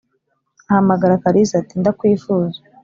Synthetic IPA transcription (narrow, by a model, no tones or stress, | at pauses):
ahamaɡaɾakaɾizatindakwiːfuːzḁ